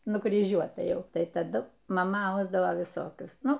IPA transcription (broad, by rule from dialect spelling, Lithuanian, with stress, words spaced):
nʊkrʲiːˈʒʲuɔtɐ ˈjɛʊ ˈtɐɪ tɐˈdʊ mɐˈmɐ ˈɐʊzdɐʋoː ʋʲɪˈsoːkʲʊs ˈnʊ